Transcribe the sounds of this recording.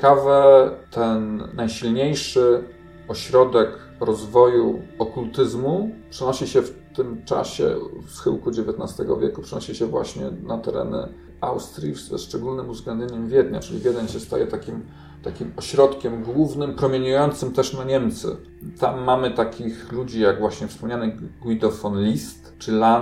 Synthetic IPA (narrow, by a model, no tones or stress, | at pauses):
kavɛt̪ʰɛnːajɕilɲejʂɘ | ɔɕɾɔd̪ɛk | ɾɔzvɔjuɔkult̪ɘzmupʂɛnɔɕiɕɛft̪ɘmt͡ʂa̰ɕɛ̰fsxɘ̰wkud͡ʑevʲjɛt̪nast̪ɛɡɔ̰vʲjɛ̰kupʂɛnɔɕiɕɛvwa̰ɕɲɛ̰nat̪ɛɾɛ̰nɘ̰ | awst̪ɾʲifɛ̰ʂt͡ʂɛɡulnɘmuvzɡlɛnd̪ʲɲeɲɛmvʲjɛd̪ɲa̰t͡ʂɘlʲḭvʲjɛd̪ɛnɕɛst̪a̰jɛt̪akʲim | t̪akʲimɔɕɾɔt̪kʲɛmɡwuvnɘmpɾɔmʲjeɲujɔnt̪sɘmt̪ɛʂnaɲɛmt̪sɘ̰ | t̪amːamɘt̪akʲixlud͡ʑijaɡvwaɕɲɛfspɔmɲanɘɡwid̪ɔfɔnlʲist̪ | t͡ʂɘla